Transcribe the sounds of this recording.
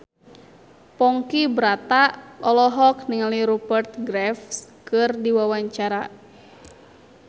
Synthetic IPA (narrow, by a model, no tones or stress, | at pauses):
pɔŋkibɾat̪aʔɔlɔɦɔkniŋaliɾubərt̪̚ɡɾɛfskɨrdiwawaɲt͡ʃaɾa